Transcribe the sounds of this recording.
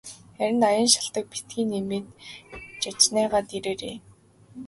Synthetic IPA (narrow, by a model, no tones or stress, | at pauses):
χæɾʲɪ̆najə̆nʃḁɬt̪ə̆k̚pit̪ɡiːnemeːt̪t͡ɕat͡ɕnæːʁaːt̪eɾeːɾḛː